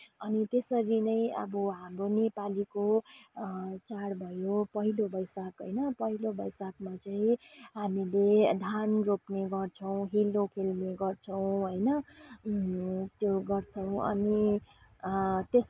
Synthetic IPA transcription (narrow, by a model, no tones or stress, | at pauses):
ʌnit̪esʌɾinʌj̃ʌ̰bʌɦamronepaliko | t͡saɽbʱʌjopʌɦilobʌjsakɦo̰jnʌpʌɦilobʌjsakmat͡saĩɦamiled̪ʱanropneɡʌrt͡sʰʌw̃ɦilːokʰelmeɡʌrt͡sʰʌw̃ɦojnʌ | t̪joɡʌrt͡sʰʌw̃ʌ̰ni | t̪es